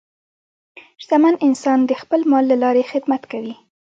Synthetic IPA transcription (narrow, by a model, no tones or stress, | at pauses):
ʃzamanɪnsɑnd̪əxpəlmɑlːalɑɾexɪd̪mat̪kawi